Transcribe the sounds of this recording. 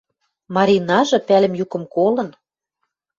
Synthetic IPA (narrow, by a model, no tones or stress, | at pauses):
mɑɾʲinɑʒɤ̆pælɘ̆mjukɤ̆mkolɤ̆n